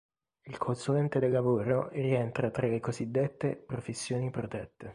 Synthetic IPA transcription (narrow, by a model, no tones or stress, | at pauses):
ilkʰonsulɛnt̪ed̪elːavoːɾorient̪ɾat̪ɾalekozid̪ːet̪ːepɾofesːjoːnipɾot̪ɛt̪ːe